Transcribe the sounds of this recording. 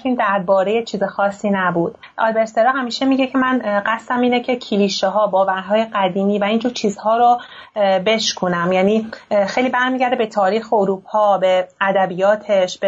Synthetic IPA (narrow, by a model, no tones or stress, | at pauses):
iːnd̪æɾbɒːɾe̞jet͡ʃʰiːzexɒːsːiːnæbuːd̪̥ | ʔɒ̰lbeɾseɾɒːɦæmiːʃemiɟe̞cʰe̞mænɢæst̪æmiːnecʰe̞cʰiliʃeɦɒːbɒːvæɾɦɒːje̞ɢæd̪iːmiːvæind͡ʒuːɾt͡ʃʰiːzhɒːɾo | be̞ʃkʰunæmjæːniːxejliːbæɾmiːɟæɾd̪ebe̞t̪ʰɒːɾiːxeoɾuːpʰɒːbeæd̪æbiːjɒːt̪ʰe̞ʃbe